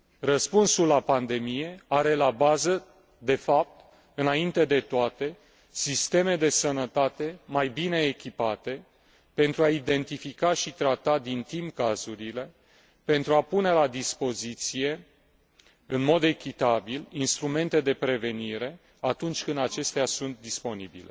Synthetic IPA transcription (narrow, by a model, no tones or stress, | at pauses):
rəspunsulːapand̪e̞mije̞aɾe̞labazə | d̪e̞fap̚t̪ | ɨnaint̪e̞d̪e̞t̪oat̪e̞ | sist̪e̞me̞d̪e̞sənət̪at̪e̞majbine̞ːkʲipat̪e̞ | pe̞nt̪ɾuaid̪e̞nt̪ifikaʃit̪ɾat̪ad̪int̪impkazuɾile̞ | pe̞nt̪ɾuapune̞lad̪ispo̞zit̪sije̞ | ɨnmo̞d̪e̞kʲit̪abilinst̪ɾume̞nt̪e̞d̪e̞pɾe̞ve̞niɾe̞ | at̪unt͡ʃʲkɨnd̪at͡ʃe̞st̪easunt̪̚d̪ispo̞nibḭle̞